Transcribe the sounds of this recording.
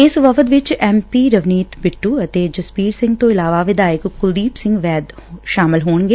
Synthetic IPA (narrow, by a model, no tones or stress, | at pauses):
ɪsʋəfət̪ʋɪt͡ʃɛːmpiːɾəʋniːt̪bɪʈːuːət̪eːd͡ʒəspiːɾsɪ̃ŋɡ̚t̪õːɪlaːʋaːʋɪd̪aːɪkkʊd̪iːbsɪ̃ŋɡʋɛːd̪ʃaːmɪlɦoːɳɡeː